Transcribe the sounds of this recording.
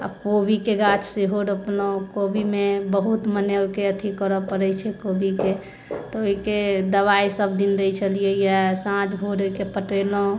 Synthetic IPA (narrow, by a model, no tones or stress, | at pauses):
a̰kobikeɡat͡ʃʰseɦoɽəpnokobʱimebəɦut̪mənelkeət̪ʰikəɾɔpəɾəjt͡ʃʰɛkobʱike | t̪ɔoiked̪əβaisəb̚d̪ind̪ejt͡ʃʰəlijejɛsãt͡ʃʰbʱoɾoikepəʈelo